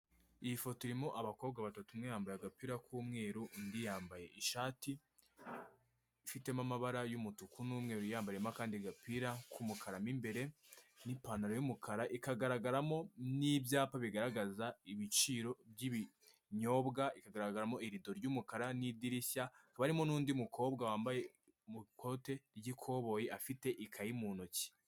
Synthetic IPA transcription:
ijifotiɾimoʔaβako̞ːbɡaβatatumŋejaːmbajaɡapiɾakʰuːmŋe̞ːɾundijaːmbaje̞ʔiʃaːti | ifite̞mamaβaɾajumutukunuːmŋe̞ːɾujaːmbajemakaːndiɡapiɾakʰumukʰaɾamimbe̞ɾe̞nipanaɾojumukʰaɾaʔikaɡaɾaɡaɾamo̞nibjaːpaβiɡaɾaɡazaiβit͡ʃiɾo̞bɟiβi | ɲo̞ːbɡaikaɡaɾaɡaɾamo̞iɾido̞ɾɟumukaɾanidiɾisakaβaɾimo̞nuːndimukʰo̞ːbɡawaːmbaje̞ | mukʰote̞ɾɟikʰo̞βo̞jeʔafite̞ʔikʰajimunuci̥

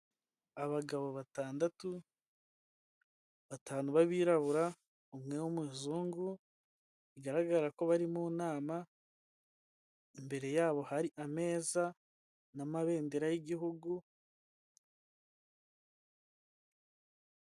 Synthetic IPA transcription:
aβaɡaβo̞βataːndatu | βataːnuβaβiːɾaβuɾa | omŋe̞womiːzuːŋɡu | iɡaɾaɡaɾako̞βaɾimuːnaːma | imbe̞ɾe̞jaːβo̞haɾiʔame̞ːza | namaβe̞ːndeɾajiɟiɦuɡu

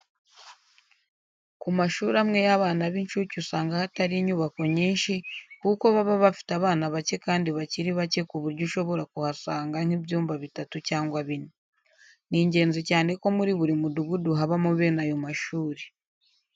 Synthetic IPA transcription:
kumaʃuːɾamŋe̞jaβaːnaβinʃucusaːŋɡahataɾiɲuːβako̞ɲiːnʃikuko̞βaβaβafi̥taβaːnaβace̞kaːndiβaciɾiβace̞kuβuɾɟuʃo̞βo̞ɾakuhasaːŋɡaŋ̥ibjuːmvaβitatucaːŋɡwaβine | niːɲɟe̞ːnzicaːne̞ko̞muɾiβuɾimuduɡuduɦaβamuβe̞ːnajomaʃuːɾe

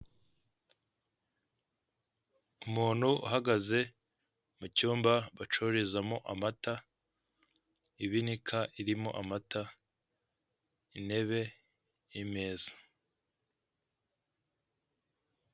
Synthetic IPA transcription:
umuːn̥huuɦaɡaze̞ | mucuːmbaβat͡ʃoɾizamo̞ʔa̰mata | iβinikʰaʔiɾimoʔamata | ine̞βe̞ | jime̞ːzḁ

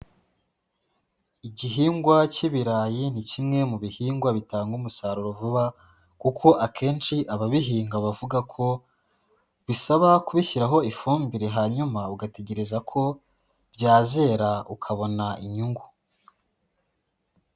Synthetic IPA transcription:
iɟiɦiːŋɡwaciβiɾaːjinicimŋe̞muβihiːŋɡwaβitaːŋɡumusaːɾuɾovuβa | kukʰo̞ʔakʰe̞ːnt͡ʃiʔaβaβiɦiːŋɡaβavuɡakʰo̞ | βisaβakuβiçiɾaɦo̞ifuːmbiɾe̞ɦaɲumauɡate̞ɟe̞ɾezakʰo̞ | b̥ɟaːze̞ɾaukʰaβo̞naʔiɲuŋɡu

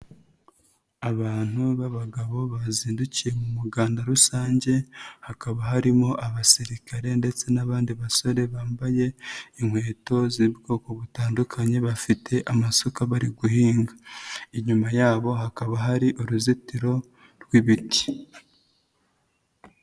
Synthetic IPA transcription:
aβaːn̥huβaβaɡaβo̞βaziːnducije̞mumuɡaːndaɾusaːɲɟe̞hakaβaɦaɾimo̞ʔaβasiɾikaɾe̞nde̞t͡se̞naβaːndiβaso̞ɾe̞βaːmbaje̞iŋhwe̞ːto̞ziibɡo̞ːko̞βutaːndukʰaɲe̞βafitʰe̞ʔamasokaβaɾiɡuhiːŋɡaiɲumajaːβo̞ɦakaβaɦaɾiʔuɾuzitiɾo̞ | ɾɡwiβiti̥

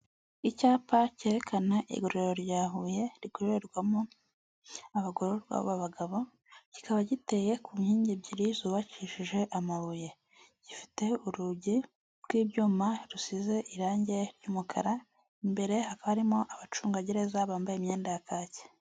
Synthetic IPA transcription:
icaːpaceɾekʰanaʔḭɡuɾeɾo̞ɾɟaːɦuje̞ɾiɡoβeeɾɡwamo | aβaɡoɾo̞ɾɡwa̰βaβaɡaβo̞ | ɟ̥i̥kaβaɟite̞je̞kumhiːɲɟibɟiɾizuːβaciʃiʒe̞ʔamaβuje̞ | ɟ̥ifi̥te̞uɾuɟi | ɾɡwiːbɟuːmaɾusize̞ʔiɾaːɲɟe̞ɾjuːmukʰa̰ɾa | imbe̞ɾe̞hakaβaɾimo̞ʔaβat͡ʃuːŋɡaɟe̞ɾe̞zaβaːmbajemɲe̞ːndajakaːce̥

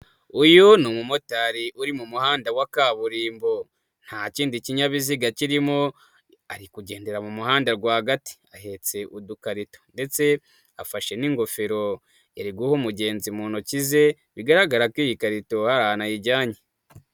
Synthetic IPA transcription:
ujonumumo̞taːɾiʔuɾimumuhaːndawakaːβuɾiːmbo̞ | n̥haciːndiciɲaβiziɡaciɾimo̞ | aɾikuɟe̞ːnde̞ɾamumuhaːndaɾɡwaːhaɡati̥ahe̞t͡se̞ʔudukaɾito̥nde̞t͡se̞ | afaʃe̞niŋɡo̞fe̞ɾo̞ | eɾiɡuhomuɟe̞ːnzimuːnocize̞ | βiɡaɾaɡaɾakwiːjikaɾito̞haɾahanajiɟaːɲe

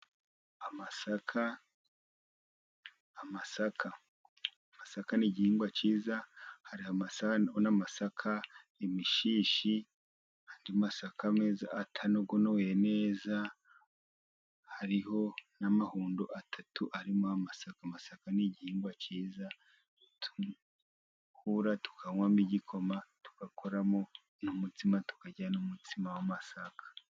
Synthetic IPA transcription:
amasakʰa | masakʰa | amasakaniɟihiːŋɡwat͡ʃiːzahaɾihaaonamasakʰa | emiʃiːʃi | handimasakʰameːza̰ʔːtʰanoɡonojene̞ːza | haɾiho̞namahuːndoʔatʰatʰuʔaɾimoamasakamasakaniɟihiːŋɡwat͡ʃiːza | tʰu | kuɾatu̥kʰaŋwamiɟikʰo̞matu̥kakʰoɾamo̞ | numutimatu̥kaɟanumutimawamasakʰḁ

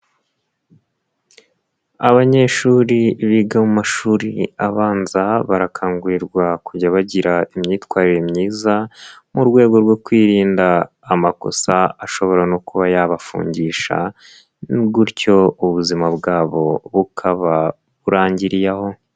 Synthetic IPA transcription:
aβaɲe̞ʃuːɾiβiɡamumaʃuːɾiaβaːnzaβaɾakʰaːŋɡuɾiɾɡwakuɟaβaɟiɾaimɲiːtwaːɾiɾemɲiːzamuɾɡwe̞ːɡo̞ɾɡwo̞kwiːɾiːndaː | mako̞̰saaʃo̞βo̞ɾanokuβajaβafṵːɲɟiːʃa̰ | nnibɡuɾco̞uβuzimabɡaːβo̞βukʰaβa | βuɾaːɲɟiɾijaho̞

